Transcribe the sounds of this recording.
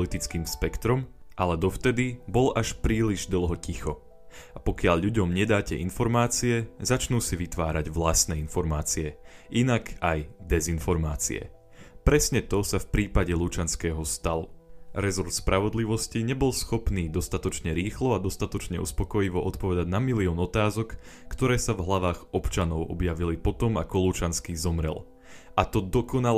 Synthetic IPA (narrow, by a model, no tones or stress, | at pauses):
lit̪it͡skiːmspɛkt̪ɾɔmʔalɛd̪ɔft̪ɛd̪ibɔlʔaʃpɾiːliʒd̪l̩ˠɦɔcixɔ | apɔkɪaʎʎuɟɔmɲɛd̪aːcɛʔinfɔɾmaːt͡siɛzat͡ʃnuːsiʋit̪ʋaːɾaɟʋlast̪nɛːinfɔɾmaːt͡siɛinakajd̪ɛzinfɔɾmaːt͡sḭɛ̰ | pɾɛsɲɛt̪ɔsafpɾiːpaɟɛlut͡ʃanskɛːɦɔst̪aluɾɛzɔɾt̪spɾʔaʋɔd̪liʋɔsciɲɛbɔlsxɔpniːd̪ɔst̪at̪ɔt͡ʃɲɛɾiːxlɔad̪ɔst̪at̪ɔt͡ʃɲɛṵspɔkɔjiʋɔʔɔt̪pɔʋɛd̪aɟnamiliɔːnɔt̪aːzɔkː | t̪ɔɾɛːsavɦlaʋaːɣɔpt͡ʃanɔʊʔɔ̰bjaʋilipɔt̪ɔma̰kɔlut͡ʃanskizɔmɾɛ̰l | ʔat̪ɔd̪ɔkɔnal